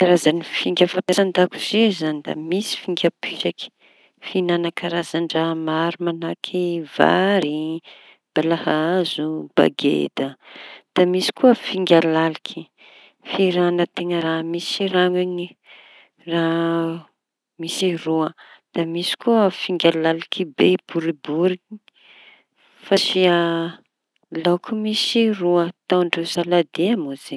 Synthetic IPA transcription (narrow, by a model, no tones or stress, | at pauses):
kaɾazanifiŋɡʲəfap̪aɾand̪akuz̥izanid̪a̰misi̥fiŋɡʲəpisaki̥ | finanakaɾazaɳɖ͡ʐəmaɾumanakʰiva̰ɾi | b̥alahaazub̥a̰ɡḛd̪əd̪̥amisi̥kuəfiŋɡʲalalikʰi̥ | fiɾanət̪eŋəɾamisiraŋiɲi | ra | misiruəd̪̥amisi̥kuəfiŋɡʲalalikibeb̥uɾibuɾiki̥ | fasia | lawkʰumisiruət̪aɳɖ͡ʐusalad̪eamuze